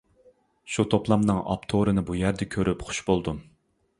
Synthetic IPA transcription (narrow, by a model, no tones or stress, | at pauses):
ʃut̪ʰoplˠɑmnɨŋɑ̰pt̪ʰoɾɨnɨbujæɾd̪ɛkʲʰøɾʔypχʊ̥ʃbolˠd̪u